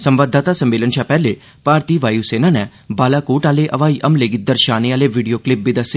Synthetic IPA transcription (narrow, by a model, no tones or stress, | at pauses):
sɐ̃mʋaːd̪ʱːaːt̪asɐmːeːlənʃʰapɛːle | paːɾt̪iːʋaːjuseːnanɛ | baːlakuːʈaːleʔɐʋaːiʔɐmleːɡɪt̪̚d̪əɾʃaːneaːleʋiɖijoːklɪp̚ʋɪd̪əse